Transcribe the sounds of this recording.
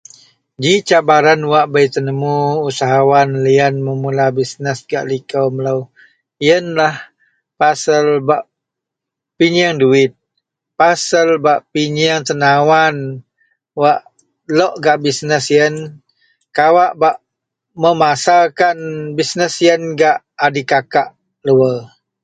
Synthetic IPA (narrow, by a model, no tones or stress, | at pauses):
d͡ʒiʔt͡ʃabaɾanwaʔbəjt̪ənəmuusaɦawanliənməmulabisnəsɡa̰ʔlikəwməlaw | ijənlah | pasəlbaʔ | piɲaŋduɪt̪̚ | pasəlbaʔpiɲaŋt̪ənawan | waʔ | lɔʔɡaʔbisnəsjən | kawaʔbaʔ | məmasalkanbisnəsjənɡaʔ | adikakaʔ | ləwə